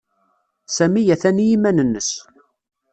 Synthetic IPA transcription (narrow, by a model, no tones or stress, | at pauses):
sæmijæθænijimænənːəs